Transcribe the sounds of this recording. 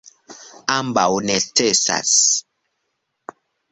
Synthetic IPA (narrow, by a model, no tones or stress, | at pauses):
ambawnɛtɛsa̰s